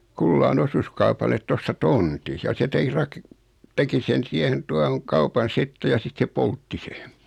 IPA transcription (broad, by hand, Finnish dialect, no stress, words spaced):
kulːɑːn osuskɑupɑlet tostɑ tonti jɑ se tekrɑk teki sen siehen tuɑhoŋ kɑupɑn sitːe jɑ sit se poltːi se